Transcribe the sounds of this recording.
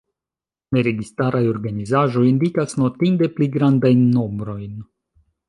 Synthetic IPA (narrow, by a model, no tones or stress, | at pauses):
ne̞ɾe̞ɡistaɾajo̞ɾɡanizaʒo̞jindikasno̞tinde̞pliɡɾandajnːo̞mbɾo̞jn